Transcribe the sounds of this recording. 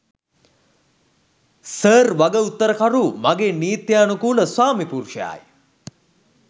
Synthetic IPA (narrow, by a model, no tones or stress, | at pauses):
səːrʋaɡəut̪ːəɾəkaɾumaɡeːniːt̪jaːnukuːləswaːmipuɾʃəja̰ːj